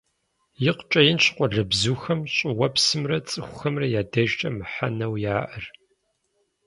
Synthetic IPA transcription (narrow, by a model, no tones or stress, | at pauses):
jɪqʷt͡ʃʼɐjɪnɕqʷɔɮɐbzuːxɐmɕʼɪwɐpsɨmrɐt͡sʼɨxʷʊ̥xɐmrɐjaːdɐʒt͡ʃʼɐmɨħa̰nɐwjaːʔɨr